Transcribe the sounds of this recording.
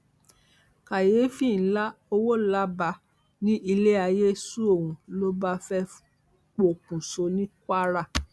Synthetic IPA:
ka˨jeː˨˦fĩ˦˨n̩˦la˦o˧wo˦la˦ba˧ | nĩ˦i˧le˦a˧je˦su˦o˦˨wũ˨˧lo˦ba˦fɛ˦ | k͡po˨kũ˨so˧nĩ˦kʷa˦ɾa˦˨

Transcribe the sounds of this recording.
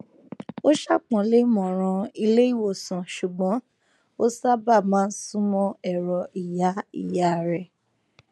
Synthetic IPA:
o˦ʃa˦˨k͡pɔ̃˨le˨˦mɔ̃˨ɾ̃ã˧i˧le˦i˦˨wo˦˨sã˨ʃu˨ɡ͡bɔ̃˨˦ | o˦sa˦ba˦˨mã˨˦n̩˦sũ˦mɔ̃˧ɛ˦˨ɾɔ˨i˨ja˨˦ḭ˦˨ja˨˦˨ɾɛ˨

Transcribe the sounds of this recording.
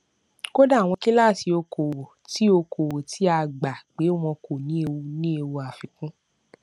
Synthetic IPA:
ko˦da˦˨w̃ɔ̃˧ki˦la˦˨ti˧o˧ko˨wo˨ti˨˦o˧ko˨wo˨ti˨˦a˧˨ɡ͡ba˨k͡pe˨˦o˦˨mɔ̃˧ko˨nĩ˨˦e˧wu˧nĩ˦e˧wu˧a˨fi˨kũ˦

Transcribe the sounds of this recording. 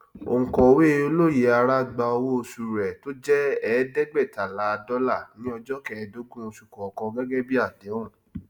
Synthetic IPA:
o̰˨ŋ̩˨kɔ̃˨we˦˧o˧lo˦˨je˨a˧ɾa˦ɡ͡ba˧ɔ˧wo˦o˧su˨ɾɛ˨to˦d͡ʒɛ˦ɛː˨˦dɛ˦ɡ͡bɛ˦˨ta˨la˨˦˧dɔ˦la˦˨nĩ˨˦ɔ˧d͡ʒɔ˦kɛ˦˧do˦ɡũ˦o˧ʃu˨kɔ˨ɔ˨kɔ̃˧ɡɛ˦ɡɛ˦bi˦a˦˨de˨˦ũ˦˨

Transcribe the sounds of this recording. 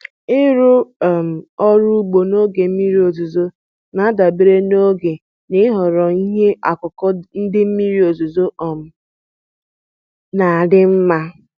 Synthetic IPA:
ɪ˦ɾʊ˦˨m̩˨ɔ˦ɾu˦ɡ͡bo˨no˦ɡe˨m̩˦mi˦ɾi˦o˨zu˨zo˦ | na˨˦da˨be˨ɾe˦no˦ɡe˨ | nɪ˦ɦɔ˨ɾɔ˨i˦ɦe˦a̰˨kʊ˨kɔ˦n̩˦dɪ˦m̩˦mi˦ɾi˦o˨zo˨zo˦ʔɔ˨m̩˨ | na˨a˨dɪ˦m̩˦ma˦

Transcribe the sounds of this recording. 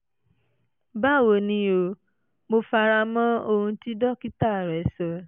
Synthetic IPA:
ba˦˨wo˨nĩ˧˦o˧ | mo˧fa˧ɾa˧mɔ̃˦o˧hũ˧ti˦dɔ˦ki˦ta˦˨ɾɛ˨˦sɔ˧

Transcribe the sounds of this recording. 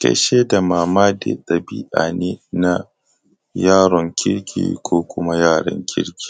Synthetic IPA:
kɐ̰˦ʃeː˦da˨maː˨maː˦dɪ̰˦ɗɐ˨bi˦ʔa˨ne˦na˦ | jaː˦ɽɔ˨ŋkʲɪ˦ɽkʲʰḭː˨kʷʰoː˦kʷʊ˦ma˦jaː˦˨ɽɔ̰˨ŋkʲʰɪ˦ɽkʲi̥ː˨

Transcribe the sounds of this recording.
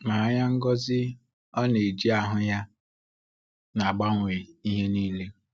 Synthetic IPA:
ma˨a˦ɲa˦ŋ̩˦ɡɔ˦zɪ˦ | ɔ˦ne˨d͡ʒi˦a˦ɦʊ˦ja˦ | na˨ɡ͡ba˦ŋʷe˨i˦ɦe˦niː˦le˦

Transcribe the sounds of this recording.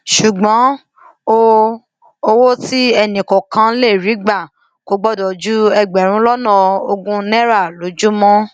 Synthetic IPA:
ʃu˨ɡ͡bɔ̃˨˦ | o˦ | o˧wo˦ti˦ɛ˧nĩ˨kɔ˨kã˧˦le˦˨ɾi˨˦ɡ͡ba˦˨ | ko˨˦ɡ͡bɔ˦dɔ˨d͡ʒu˦ɛ˧ɡ͡bɛ˨ɾ̃ũ˦lɔ˦nã˦˨o˧ɡũ˦nɛ̃˦ɾa˦˨lo˨˦d͡ʒu˦mɔ̃˦

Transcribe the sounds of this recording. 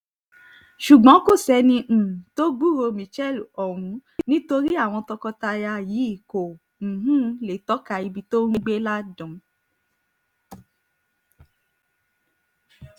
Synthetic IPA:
ʃu˨ɡ͡bɔ̃˨˦ko˦˨sɛ˧nĩ˧ʔ̩˨to˦ɡ͡bu˦˨ɾo˧mĩ˨t͡ʃɛ˦˨lɔ˨ɾ̃ũ˨˦nĩ˦to˧ɾi˦a˦˨w̃ɔ̃˧tɔ˧kɔ˧ta˧ja˧ji˨˦i˦˨kõ˨ | ũ˦le˨tɔ˦ka˧i˧bi˧to˦ɾ̃ĩ˦ɡ͡be˦la˦dɔ̃˨˦

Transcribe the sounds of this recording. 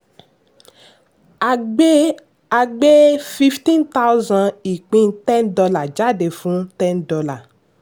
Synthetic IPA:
a˧ɡ͡be˦fi˦ftĩ˦nt̪a˦wzã˧i˨k͡pĩ˦ntɛ̃˦ndɔ˧la˨d͡ʒa˦˨de˨fũ˦tɛ̃˦ndɔ˦la˨

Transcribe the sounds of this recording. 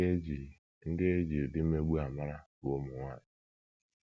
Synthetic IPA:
e˦d͡ʒi˨ | ŋ̩˦dɪ˦e˦d͡ʒi˨dɪ˦m̩˦me˦ɡ͡bu˦a˨ma˦ɾa˦bo˦mʊ˨ŋʷa˦˨ɲɪ˨

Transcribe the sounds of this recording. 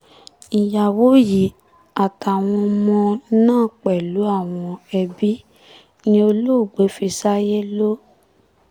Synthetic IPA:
i˨ja˨wo˨˦ji˨˦ | a˨ta˨w̃ɔ̃˧mɔ̃˧nãː˦˨k͡pɛ˨lu˨˦a˦˨w̃ɔ̃˧ɛ˧bi˦ | jĩ˧o˧lo˦˨ɡ͡be˨˦fi˧sa˦je˦lo˦

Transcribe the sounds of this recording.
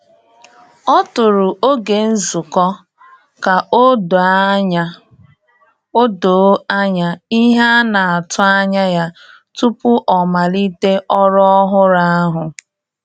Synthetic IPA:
ɔ˦tʊ˨ɾʊ˨ʔo˦ɡe˨n̩˦zu˨kɔ˦ | ka˨o˦d | o˦do˨˦a˦ɲa˦i˦ɦa˦na˨a˨tʊ˦a˦ɲa˦ja˦ | tu˦pʊ˦ʔɔ˨ma˨li˦te˦ʔɔ˦ɾɔ˦ɦʊ˦ɾa˦a˦ɦʊ˨

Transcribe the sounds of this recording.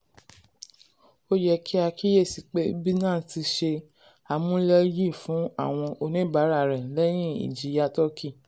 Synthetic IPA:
o˦jɛ˧ki˦a˧ki˦je˦˨si˧k͡pe˦bi˦nã˦˨˦ti˧ʃe˧ | a˧mũ˦lɛ˦ji˦˨fũ˨˦a̰˦˨w̃ɔ̃˧ʔo˧nĩ˦˨ba˨˦ɾa˦˨ɾɛ̃˨˦lɛ˦j̃ĩ˦ḭ˨d͡ʒi˨˦ja˧˦tɔ˦ki˦˨

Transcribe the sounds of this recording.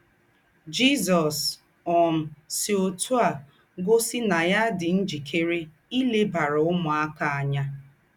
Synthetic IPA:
d͡ʒi˦zɔ˨s | ɔ˨m̩˨si˨o˨tʰu˦a˨ | ɡo˦sɪ˦na˨ja˦dɪ˨n̩˦d͡ʒi˨kʰe˦ɾe˦ | i˦le˦ba˨ɾʊ˨ʊ˦mʊ˨a˦ka˨a˨ɲa˦

